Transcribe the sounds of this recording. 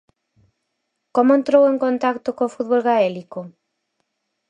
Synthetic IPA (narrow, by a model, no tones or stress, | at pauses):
komoẽnt̪ɾoweŋkont̪akt̪okõfut̪βolɣaɛliko